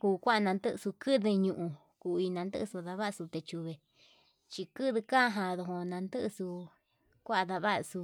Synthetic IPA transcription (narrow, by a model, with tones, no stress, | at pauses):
kuː˧kʷa˦ʔa˧nã˧nd̪ɨ˦ʔsu˧kɨ˦ðɨ˧ɲũ˧ʔũ˧ | ku˧˨˧i˧nã˧nd̪ɨ̰˦ʔsu˧ða˧βa˦˧su˧t̪e˧t͡ʃu˧βe˨ | t͡ʃi˧kɨ˦ðɨ˧kã˦ɦã˧ðo˧ɦo˧nã˧nd̪ɨ˦ʔsu˧ | kʷa˦ʔa˧ða˧βa˦ʔsu˧